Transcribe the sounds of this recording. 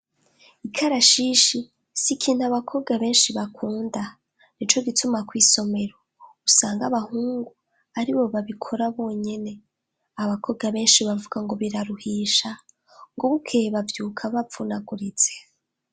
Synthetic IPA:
ikʰaɾaʃiːʃi | sikʰiːn̥uaβakʰo̞βɡaβe̞ːnʃiβakʰuːnda | nit͡ʃo̞ɡitumakwiːso̞me̞ɾo | usaːŋɡaβahuːŋɡu | aɾiβo̞βaβikʰo̞ɾaβo̞ːɲe̞ne̞ | aβakʰo̞βɡaβe̞ːnʃiβavuɡaŋɡo̞βiɾaɾuhiːʃa | ŋɡoβukʰe̞βavjuːkʰaβafunaɡuɾit͡se̥

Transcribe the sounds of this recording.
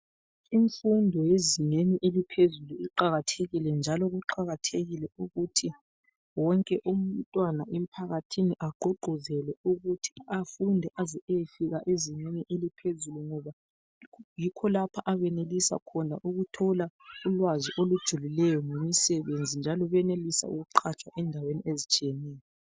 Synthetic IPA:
iɱfundʱɔjeziɲeniʔelipʰezuluiǃaɣatʰeɣilɛnd͡ʒʱalɔɣuǃaɣatʰeɣilɛuɣutʰi | wɔŋkʼɛʔum̩ntʼwanaʔem̩pʰaɣatʰiniʔaɡ͡ǃʱɔɡ͡ǃʱɔzɛlɛuɣutʰi̥afundʱɛʔazɛjfiɣaʔeziɲeɲɛʔelipʰezuluŋɔβa | jikʰɔlapʰaʔaβɛnelisa̰kʰɔnaʔuɣutʰɔlaulwaziʔolud̥ʒ̥ʱulilɛjɔŋemisɛβend͡zʱind͡ʒʱalɔβɛnelisa̰ṵɣuǃʰat͡ʃʼwaʔɛndʱaweniezit͡ʃʼijɛnɛːjɔ

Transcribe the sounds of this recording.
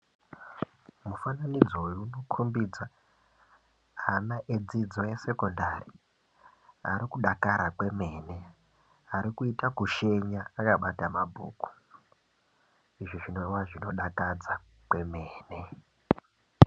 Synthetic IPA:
mufananid͡zojuno̞kʰombid͡za | anaʔed͡zid͡zo̞jese̞ko̞ndari | a̰ɾikuɗakaɾakwe̞me̞ːne̞ | aɾikuitakuʃe̞ɲaakaɓatamabʱṵːku̥ | iʐiʐino̞iwaʐino̞ɗakad͡za | kwe̞me̞ːne̞

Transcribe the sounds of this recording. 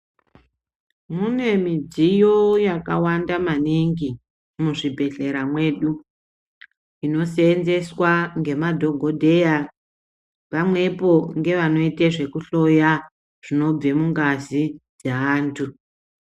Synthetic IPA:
mune̞mid͡zijo̞jakawandamaniŋɡi | muʐibʱe̞ɬe̞ɾamwe̞ːɗu | ino̞seːnze̞swaŋɡe̞madʱo̞ɡʱo̞dʱe̞ja | pamwe̞po̞ŋɡe̞ʋano̞iteʐe̞kuɬo̞ja | ʐ̥ino̞b͡ve̞muŋɡazid͡zeaːntʰu

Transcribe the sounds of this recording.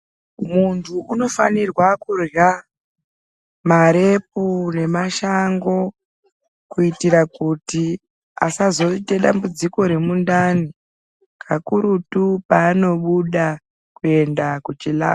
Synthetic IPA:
muntʰuʔuno̞fanirwakurja | maɾe̞p̚une̞maʃaŋɡo̞ | kuitiɾakuti | a̰sazo̞iteɗambud͡ziko̞ɾe̞mundani | kʰakuɾutupaːno̞ɓuɗa | kue̞ndakut͡ʃila̰ː

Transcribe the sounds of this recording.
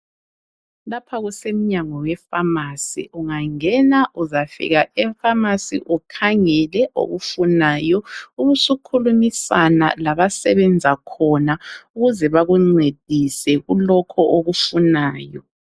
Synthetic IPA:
lapʰaɣusem̩ɲaŋɔwɛfamasḭʔuŋaŋɛnaʔuzafḭɣaɛfamasḭʔukʰaŋɛlɛʔo̰ɣufunaːjɔuɣusukʰulumisana̰laβasɛβɛnd͡zʱakʰɔnauɣuzɛβaɣuŋ͡ǀed̥ʱisɛɣulɔkʰɔʔoɣufunaːjɔ

